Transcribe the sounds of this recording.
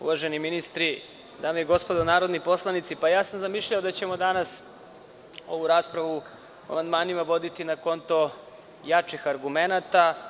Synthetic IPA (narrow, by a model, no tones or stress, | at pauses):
ṵʋaʒeniminist̪ɾi | d̪aːmojeɡo̞spod̪onaːɾod̪nipo̞slˠanit̪sipajaːsamzamiʃʎaod̪at͡ɕe̞mo̞d̪anas | o̞ʋuɾaːspɾaʋu | oa̰mand̪maːnimaʋo̞d̪it̪inako̞nt̪o | jat͡ʃixaɾɡume̞nat̪a